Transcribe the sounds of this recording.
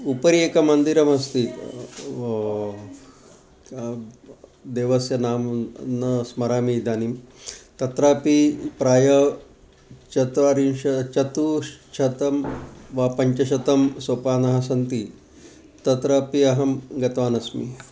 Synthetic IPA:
upɐɾieːkɐmɐnd̪iɾɐmɐst̪i | d̪eːʋɐsjɐnaːmnɐsmɐɾaːmid̪aːnimt̪ɐt̪ɾaːpipɾaːjɐ | t͡ʃɐt̪ʋaːɾimʃɐt͡ʃɐt̪ut͡ʃʰɐt̪ɐmʋaːpɐɲt͡ʃɐʃɐt̪ɐmsoːpaːnɐɦɐs̬ɐnt̪i | t̪ɐt̪ɾaːpiɐɦɐmɡɐt̪ʋaːnɐsmḭ

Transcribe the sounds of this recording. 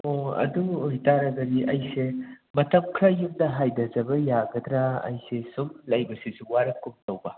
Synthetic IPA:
oɐ̰duojtaɾɐɡɐɾiʔɐjse | mɐtʰɐmkʰɾɐjumdɐɦajdɐzɐbɐjaɡɐd̪ɾaɐ̰jsesumlɐjbɐsesuwaɾɐkʰːumtɐwbɐ

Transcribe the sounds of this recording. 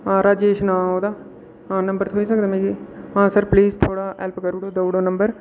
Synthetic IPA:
ãːɾaːd͡ʒeːʃnãːɦoːd̪aː | ɦãːnəmbəɾt̪ʰoːiːsək̚d̪aːmẽːɾiːɦãːsəɾpliːzt̪ʰoːɽaːɛːlpkəɾuːɽoːd̪oːɽoːnəmbəɾ

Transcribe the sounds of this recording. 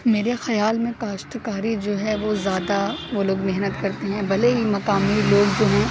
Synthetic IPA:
meːɾexɐjaːlmẽkaːʃt̪kaːɾid͡ʒoːɦɛʋozjaːd̪aʋoloːɡmeɦnət̪kɐɾt̪eɦɛ̃bɐleɦimɐkaːmiloːɡd͡ʒoːɦɛ̃ː

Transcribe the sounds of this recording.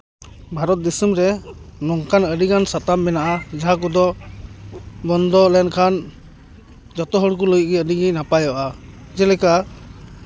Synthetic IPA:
bʱaɾɔt̪̚d̪isumɾɛ | nɔŋkʰanəɖiɡansat̪amːɛnaʔad͡ʒaɦak̬ɔd̪ɔ | bɔnd̪ɔlɛnkʰan | d͡ʒɔt̪ɔɦɔɽk̬ɔləj̚ɡɛəɖiɡɛnapajaʔa | d͡ʒɛlɛka

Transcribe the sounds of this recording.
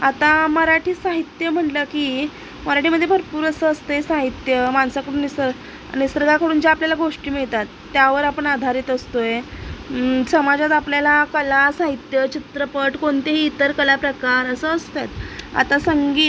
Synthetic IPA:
at̪aməɾaʈʰiːsaɦit̪jəm̤əɳʈləkiː | məɾaʈʰiːməd̪ʱːjebʱəɾpuːɾəsəːst̪əjesaɦit̪jəmansakəɽuːnisəɾ | a̰ñisɾəɡakəɽuːnd͡ʑeapljalaɡoʂʈiːmiɭt̪at̪ːjaʋəɾapəɳad̪ʱaɾiːt̪əst̪oje | səmad͡ʑat̪apljalakəlasaɦit̪jət͡ɕit̪ɾəpəʈkoɳt̪eɦiːt̪əɾkəlapɾəkaɾəsəːst̪et̪a̰t̪asəŋɡiːt̪

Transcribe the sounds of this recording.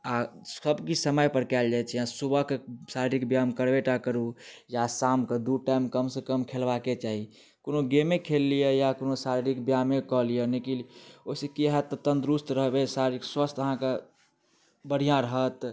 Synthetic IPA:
aəbkisəməjpəɾkɛːld͡ʒaːt͡ʃʰɛjãsubəkesaɾiɾikbjamkəɾbeʈakəɾujasamked̪uʈaɪmkəmsekəmkʰelbaket͡ʃaːɦi | konoɡemẽkʰelːijejakonosaɾiɾikbjamẽkɔlijenekilosekiɦɛt̪ːɔt̪ənd̪ɾust̪ɾəɦbesaɾɾikswəst̪əɦãke | bəɽ̤ijãɾəɦət̪

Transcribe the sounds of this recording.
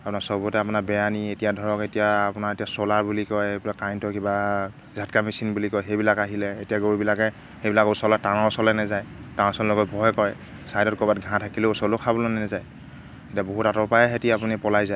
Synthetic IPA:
apʊnaɹsɔbɔtɛapʊnaɹbɛjanietijadʱɔɹɔketijaːpʊnaɹetijasɔlaɹbulikɔjejbilakːajntɔkiba | zʱatkamisinbulikɔjxejbilakaɦilɛetijaɡoɹibilakɛ | xebilakɔsɔlatanɔsɔlɛnɛzajtaɔsɔllɔɡɔtbʱɔjkɔɹɛ | sajdɔt̚kɔbatɡʱãtʰakilɛusɔlʊkʰabɔlnɛnɛzaj | etiaboɦutatɔpajɛɦetiapunipɔlajzaj

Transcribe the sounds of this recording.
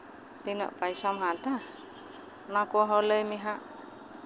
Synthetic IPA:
t̪inɔ̰ʔpaisamɦat̪a | nakuaɦɔləjmiɦaʔ

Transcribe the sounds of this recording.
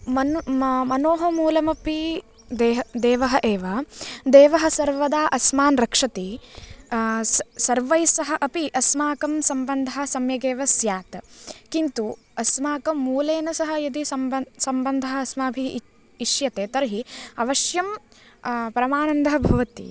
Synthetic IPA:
mɐmɐnoːɦɐ̆muːlɐmɐpi | d̪eɦd̪eːʋɐɦɐʔeːʋɐd̪eːʋɐɦɐ̆sɐɾʋɐd̪aːʔɐsmaːnɾɐkʂɐt̪i | sɐɾʋɐjsɐɦɐʔɐpiʔɐsmaːkɐmsɐmbɐnd̪ʱɐɦɐsɐmjɐɡeːʋɐsjaːt̪kint̪u | ɐsmaːkɐmuːleːnɐsɐɦɐjɐd̪isɐmsɐmbɐnd̪ʱɐɦɐɐsmaːɐbʱiː | ʃjɐt̪eːt̪ɐɾɦiɐʋɐʃjɐm | pɐɾɐmaːnɐnd̪ʱɐɦɐbʱɐʋɐt̪ḭ

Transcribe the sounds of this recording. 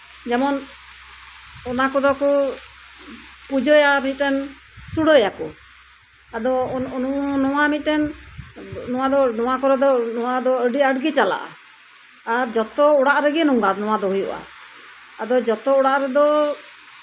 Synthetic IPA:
d͡ʒɛmɔn | ɔnakɔd̪ɔkɔ | pud͡ʒɔjamit̪̚ˀɾɛn | suɽɔjakɔ | ad̪ɔnɔnɔwamit̪̚ˀʈɾɛn | nɔw̃ad̪ɔnɔwakɔɾɛd̪ɔnɔwad̪ɔəɖiəɖɡɛt͡ʃala̰ʔa̰ | aɾd͡ʒɔt̪ɔɔɽaʔɾɛɡɛnuŋɡanɔwad̪ɔɦujṵʔa̰ | ad̪ɔd͡ʒɔt̪ɔɔɽaʔɾɛd̪ɔ

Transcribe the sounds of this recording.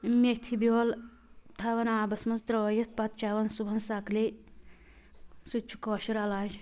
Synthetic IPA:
met̪ʰibioːl | t̪ʰaʋɐnaːbɐsmɐnzt̪ɾɐʋɐjɐt̪̚ʰpɐt̪̚t͡ʃaːʋɐnsubʱɐnsakle | sut͡ʃʰu̥koːʃiɾalaːd͡ʒ

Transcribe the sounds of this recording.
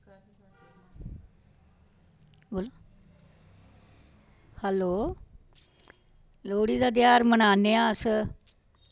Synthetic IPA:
boːloː | hɛːloː | loːɽiːd̪aːd̪jaːɾmənaːneːaːəs

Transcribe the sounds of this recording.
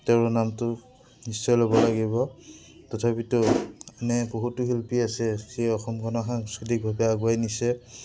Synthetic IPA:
tɛɹnamtʊ | nisːɔjlobɔlaɡibɔtɔtʰapitʊanɛboɦutʊɦilpiasɛxejɔxɔmkɔnɔxaŋskɹitik̚bʱabɛaɡuajnisɛ

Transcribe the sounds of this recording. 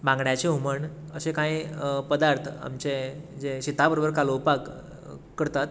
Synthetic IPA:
bãŋɡɳjat͡ɕeɦuməɳəɕekãĩpəd̪aɾt̪ʰa̰mt͡ɕed͡zeɕit̪abəɾobəɾkalowpak | kːəɾt̪at̪

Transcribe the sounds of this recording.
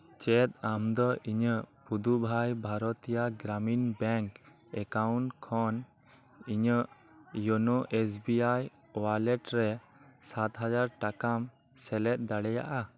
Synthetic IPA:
t͡ʃɛt̪̚amd̪ɔʔiɲəpud̪ubʱajbʱaɾɔt̪ijaɡɾaminbɛŋk | ɛkawɳʈkʰːɔn | iɲəʔ | jonoʔesbiaj | walɛʈɾɛ | sat̪ɦad͡ʒaɾʈakam | sɛlɛt̪̚ˀd̪aɽɛja̰ʔa

